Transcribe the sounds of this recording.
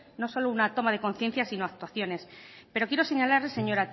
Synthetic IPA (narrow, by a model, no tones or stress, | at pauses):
no̞so̞lounat̪o̞mað̞e̞konθje̞n̟θjasino̞ak̚t̪waθjo̞ne̞spe̞ɾo̞kje̞ɾo̞se̞ɲalaɾlese̞ɲo̞ɾat̪